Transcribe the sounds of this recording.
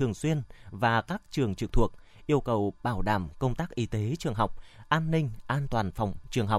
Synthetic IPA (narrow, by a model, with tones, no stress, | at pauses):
ɨ˨˩əŋswi˧ənvaː˨˩kaː˦˥k̚t͡ɕɨ˨˩əŋt͡ɕɨ˨˩k̚t̪ʰu˨˩ək̚ | ʔi˧əwkə˨˩wɓaː˧˩wɗa̰ː˧˩mkə˧wŋ͡mt̪aː˦˥k̚ʔi˨˧˦t̪e˨˦t͡ɕɨ˨˩əŋɦa˨˩wk͡p̚ʔaː˧nːï˧ŋ̟ʔaː˧nt̪waː˨˩nfa˨˩wŋ͡mt͡ɕɨ˨˩əŋɦa˨˩wk͡p̚